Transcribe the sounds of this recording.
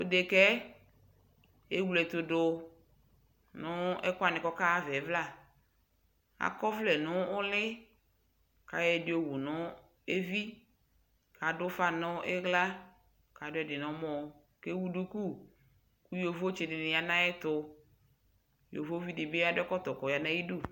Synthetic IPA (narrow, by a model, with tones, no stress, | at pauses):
o˦de˨kɛ˦ | e˦wu˨lɛ˨t̪ʊ˨dʊ˨ | nʊ̃˦ɛ̰˦kʊ˦a˨nɪ̃˨kɔ˦ka˦vɛ˨˦vla˦˨ | a̰˨kɔ˦flɛ˨nʊ̃˦ʊ˦lɪ˦ | ka̰˨jɛ˨dɪ˦o˦wu˨nʊ˦ | e˦vi˦ | ka˨dʊ˦fa˦nʊ̃˦ɛ˦ɣla˦ | ka˨˦dʊ˦ɛ˨dɪ˨nʊ̃˦mɔ˦ | ke˦wu˨du˦ku˦˨ | ku˦jo˨vo˦t͡ʃɪ˨dɪ˨nɪ̃˨ja˨nã˦ɛ˦t̪ʊ˦ | jo̰˨vo˦vi˦dɪ˨be˦a˦dʊ˦ɛ˦kɔ˦t̪ɔ˨kɔ˨ja˨nã˦i˦du˦˨